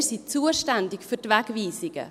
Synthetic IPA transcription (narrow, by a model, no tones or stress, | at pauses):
sit͡suːəʃtændɪkfytvɛɡviːsɪɡ̥ə̰